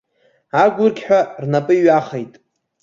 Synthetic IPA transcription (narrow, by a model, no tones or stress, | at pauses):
aɡʷʊrɡʲħᶣʷarnapʼɨiɥaχejtʼ